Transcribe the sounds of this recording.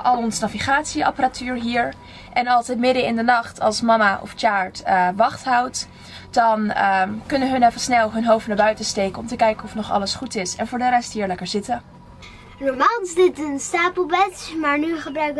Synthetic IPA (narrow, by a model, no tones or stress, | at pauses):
ʔɑlˠɔnzənaviχaːtsiɑ̰pəratyːɹɦiːɹ | ʔɛnɑlˠsətmɪdəɪndənɑχtʰɑ̰lˠsmɑmaʔɔ̰ft͡ʃaːɹtʋɑχtɦʌwt | dɑnəkɵnəɦɵnɛfəsnɛlˠɦɵnɦowfnaːɹbœɥtəstejkəɔmtəkɛjkənɔfnɔχɑ̰ləsχutɪsɛnvʊːɹdəɾɛstɦiːɹlɛkəɹzɪtə | nɔmaːlˠɪsdɪtənstaːpəlˠbɛtmaːɹnyχəbrœɥk